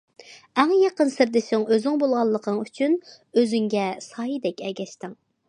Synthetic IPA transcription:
æŋjɑqənsɪɾd̪ɪʃɪŋøzɪŋbolˠʁɑlˠːəqʰəŋyt͡ʃʰyn | øzyŋɡʲɛsɑːjid̪ɛkʲɛɡʲɛʃt̪ɪŋ

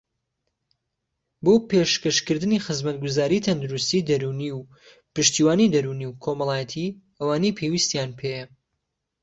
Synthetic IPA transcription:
bopeʃkɐʃkɨɾd̪ɨnixɨzmɐt̪ɡuzaːɾit̪ʰɐnd̪uɾust̪id̪ɐɾuniw | pɨʃt̪iːwaːnid̪ɐɾuniwkʰo̞mɐlaːjɐt̪ʰiʔɐwaːnejpʰewist̪jaːnpʰejɐ

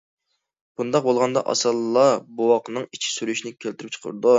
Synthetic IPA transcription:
b̥und̪ɑq̚bolˠʁɑnd̪ɑ̰ʔɑ̰sɨlˠlːˠɑbowɑqənɨŋit͡ʃʰi̥syɾyʃinɪkʲʰelt̪ʰyɾp̚t͡ʃʰə̥qʰə̰ɾd̪u

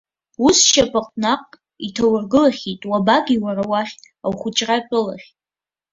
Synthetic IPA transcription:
usʃapʼaqʼnaqʼ | itʰawarɡɨlaχʲitʼwabaɡʲiwarawaχʲ | awχʷʊt͡ʃʼrapʷʼʊla̰χʲ

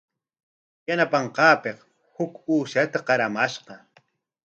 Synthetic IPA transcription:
janapɑɴqɑːpeq | hʊkuːʃat̪aqɑɾamaʃqɑ

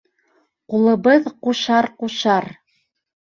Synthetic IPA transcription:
qulˠɤ̆βɤðquʃɑɾquʃɑɾ

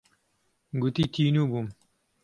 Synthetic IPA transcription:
ɡut̪iːt̪ʰiːnuːbum

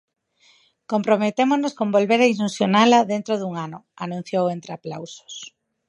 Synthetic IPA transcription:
kompɾomet̪emoznoskombolβeɾɐiʃunsjonalɐðent̪ɾoðuŋanʊanũn̟θjowent̪ɾeaplawso̥s

